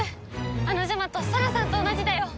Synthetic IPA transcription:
anoʑamat̪ːosaɾasãnt̪o̞ːnaʑid̪ajo

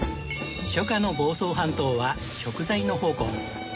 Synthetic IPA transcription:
ɕokano̞bo̞ːso̞ːɦãnt̪o̞ːβa | ɕo̞kɯ̟zaino̞ho̞ːkõ̰ŋ

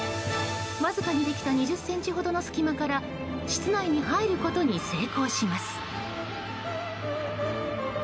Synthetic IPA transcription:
βazɨkaɲ̟id̪e̞kʲi̥t̪aɲ̟iʑɨsːẽ̞ɲ̟t͡ɕiɦo̞d̪o̞no̞sɨ̥kʲimakaɾa | ɕi̥t͡sɨnaiɲ̟iɦaiɾɯ̟ko̞t̪o̞ɲ̟ise̞ːko̞ːɕimasɨ̥

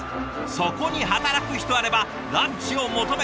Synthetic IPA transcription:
so̞ko̞ɲ̟iɦat̪aɾakɯ̟çi̥t̪o̞aɾe̞ba | ɾãɲt͡ɕio̞mo̞t̪o̞me

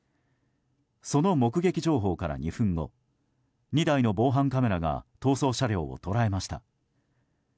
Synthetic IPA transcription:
so̞no̞mo̞kɯ̟ɡe̞kʲiʑo̞ːɦo̞ːkaɾa̰ɲ̟iɸɯ̟̃ŋɡo̞̰ | ɲ̟id̪aino̞bo̞ːɦãŋkame̞ɾaɡa̰t̪o̞ːso̞ːɕaɾʲo̞ːo̰t̪o̞ɾae̞maɕi̥t̪a̰

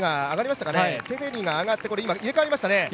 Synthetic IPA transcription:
ŋaːɡaɾʲimaɕi̥t̪akanet̪e̞ɸeɾʲiŋɡaːɡat̪ːe̞ko̞ɾe̞imaiɾe̞kaaɾʲimaɕi̥t̪ane̞

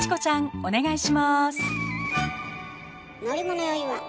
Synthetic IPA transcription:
t͡ɕi̥ko̞t͡ɕãŋo̞ne̞ɡaiɕimasɨ̥ | noɾʲimonojoiβa

